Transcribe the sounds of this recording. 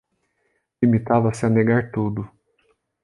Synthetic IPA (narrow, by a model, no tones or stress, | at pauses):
limit̪avɐsɪaneɡaɾt̪ud̪ʊ